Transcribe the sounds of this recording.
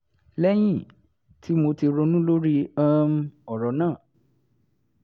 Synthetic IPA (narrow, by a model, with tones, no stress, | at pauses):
lɛ˦j̃ĩ˦˨ | tʰi˦mo˧ti˧ɾo˧nũ˦lo˦ɾi˦ã˦m̩˦ɔ˨ɾɔ˨˧˦nãː˦˨